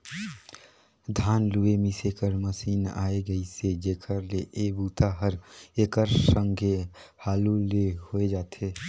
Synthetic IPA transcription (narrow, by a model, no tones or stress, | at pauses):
d̪ʱaːnluemisekəɾməsiːna̰ːeɡəised͡ʒeːkʰəɾleʔebuːt̪ʰaɦəɾekəɾsəŋɡʱehaːlulehoed͡ʒaːt̪ʰe